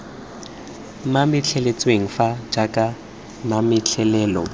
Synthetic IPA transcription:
mamɪt͡ɬʰɛlet͡sʼweŋ̩fad͡ʒakʼa | mamɪt͡ɬʰɛlɛːlɔ

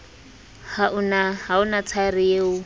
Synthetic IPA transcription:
haʊnaɦaʊnat͡sʰarɪjeːʊ

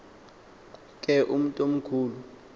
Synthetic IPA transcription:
kʼɛʔum̩tʼom̩kʰuːlu

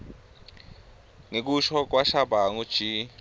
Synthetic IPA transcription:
ŋek̬uʃɔk̬waʃabʱaŋu̥ʒ̥ʱi

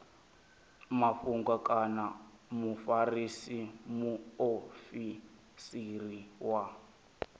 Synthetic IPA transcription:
maɸuŋɡakʼana | mufarisimuofi | siriwa

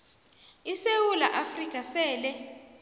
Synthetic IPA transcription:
isewulaʔafrikʼasɛːlɛ

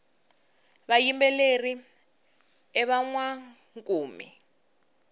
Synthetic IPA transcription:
βajimbɛleri | ɛβaŋwa | ŋkʼuːmḭ

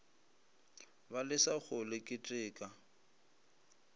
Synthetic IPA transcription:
balɪsaɣʊlɪkʼɪtʼɪːkʼa

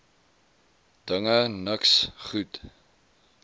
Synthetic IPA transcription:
d̥əŋənəksχut

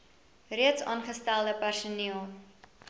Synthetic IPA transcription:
riətsɑːnχəstælˠdəpærsuniəlˠ

